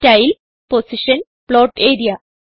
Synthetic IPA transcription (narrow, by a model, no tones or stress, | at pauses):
tɐjl | posiʂɐn | ploːʈeːɾijɐ